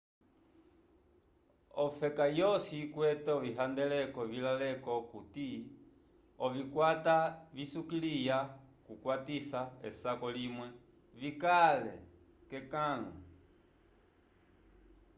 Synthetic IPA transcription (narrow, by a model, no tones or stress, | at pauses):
ɔfɛkajɔsikwɛtɛɔviɦandɛlɛkɔvilalɛkɔkuti | ɔvikwatavisukilijakukwatisaɛ̰sakɔlimwɛ | vikalɛ̰ | kɛkaŋa